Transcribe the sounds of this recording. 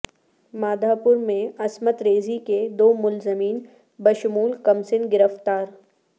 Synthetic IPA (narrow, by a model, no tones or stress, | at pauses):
maːd̪ʱaːpʊɾmẽɐsmət̪ɾeːziked̪oːmʊlzɪmiːn | bɐʃʊmuːlkɐmsɪnɡɪɾəft̪aːɾ